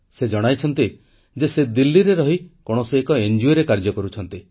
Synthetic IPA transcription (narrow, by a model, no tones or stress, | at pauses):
sed͡ʒɔɽ̃ajt͡ʃʰɔnt̪i | d͡ʒesed̪ilːiɾeɾɔɦikɔɽ̃ɔseːkɔend͡ʒueɾekaɾd͡ʒɔkɔɾut͡ʃʰɔnt̪i